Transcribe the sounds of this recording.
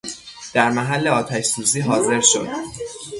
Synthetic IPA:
d̪̥æɾmæɦælːeɒːt̪ʰæʃsuːziːɦɒːze̞ɾʃo̞d̪̥

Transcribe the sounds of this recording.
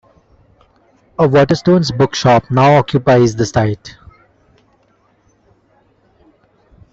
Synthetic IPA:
əʋɔːʈəɾsʈõːnsbʊkʃɔːpnaʊɔkjʊpaɪzd̪əsaɪʈ

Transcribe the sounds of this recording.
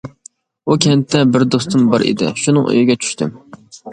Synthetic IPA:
ukʲʰɛnt̪ʰːɛbɪɾd̪ost̪ʊmbɑɾʔḭd̪ɪ̰ʃunɨŋʔø̰jɪɡʲɛt͡ʃʰy̥ʃt̪ʰym

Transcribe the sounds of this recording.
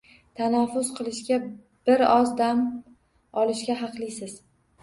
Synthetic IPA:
t̪ʰanafʊz̥qʰɨlˠɪʃɡʲa | b̥ɪɾɒzd̪am | ɒlɪʃɡʲaɦɑqlˠɪjsɪz̥

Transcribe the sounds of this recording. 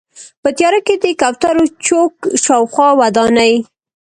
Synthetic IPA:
pət̪jɑɾaked̪əkawt̪aɾot͡ʃokʃɑwxwɑwad̪ɑnaj

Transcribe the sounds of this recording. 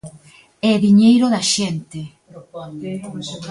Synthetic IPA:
ɛðiɲejɾoðɐʃɛnt̪e

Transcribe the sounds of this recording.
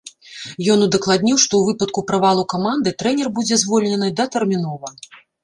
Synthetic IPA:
jɔnud̪ɐklˠad̪̚ʲnʲiwʂt̪ɔwvɨpɐt̪̚kupɾavalˠukamand̪ɨt̪ɾɛnʲɛrbud͡zʲɛzvɔlʲnʲɛnɨd̪ɐt̪ɛrmʲinɔvɐ

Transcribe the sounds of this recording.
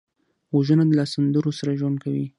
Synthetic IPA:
waʒənad̪əlasand̪əɾosaɾaʒwand̪̚kawi

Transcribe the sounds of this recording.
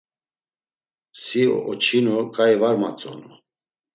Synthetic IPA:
siɔ̰ʔɔt͡ʃʰinukʼajivaɾma̰t͡sʼɔnu

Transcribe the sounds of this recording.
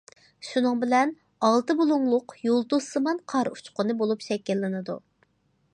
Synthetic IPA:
ʃunɨŋbɪlɛn | ɑlˠt̪ɨbulˠuŋlˠʊqjolˠt̪usɨmɑnqʰɑɾu̥t͡ʃqʊnɨbolˠupʃɛkʲːɪlːɪnɨd̪ṵ

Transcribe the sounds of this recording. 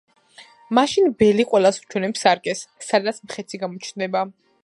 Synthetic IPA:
maʃinbɛliqʼwɛlˠasu̥t͡ʃʰwɛnɛpsaɾkʼɛsːad̪at̪sʰmχɛt̪sʰiɡamɔt͡ʃʰnd̪ɛba

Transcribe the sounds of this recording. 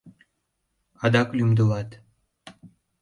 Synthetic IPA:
ɑd̪ɑklymd̪əlɑt̪

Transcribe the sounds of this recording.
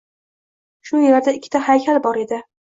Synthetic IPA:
ʃʊjlaɾd̪aɪkʲʰːɪ̥t̪ʰahajkʲʰalbɒɾe̞d̪ɪ

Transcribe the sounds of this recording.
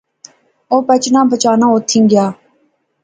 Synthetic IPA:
oːpət͡ʃnãːbət͡ʃaːnãːoːt̪ʰːĩːŋɡɪjaː

